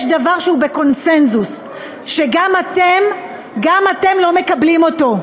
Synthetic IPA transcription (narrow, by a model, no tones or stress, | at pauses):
jʃdavaʁʃeube̞ko̞nse̞nzus | ʃeɡamatem | ɡamate̞mlo̞me̞kablimo̞to̞